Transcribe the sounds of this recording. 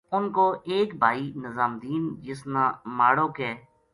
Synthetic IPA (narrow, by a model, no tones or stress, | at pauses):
ʊnkoːʔeːkbʱaːiːnəzaːmd̪iːnd͡ʒɪsnaːmaːɽoːkeː